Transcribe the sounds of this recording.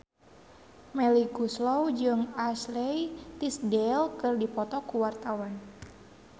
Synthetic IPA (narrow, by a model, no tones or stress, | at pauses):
mɛliɡuslɔwd͡ʒɨŋaslɛjt̪isdɛlkɨrdipɔt̪ɔkuwart̪awan